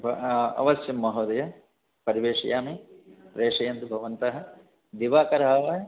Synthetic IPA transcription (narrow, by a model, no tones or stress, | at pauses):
bɐ̰ʋɐsjɐmːɐɦoːd̪ɐjɐ | pɐɾiʋeːʂɐjaːmiɾeːʂɐjɐnd̪ubʱɐʋɐnt̪ɐɦɐ̆ | d̪iʋaːkɐɾɦaːʋaː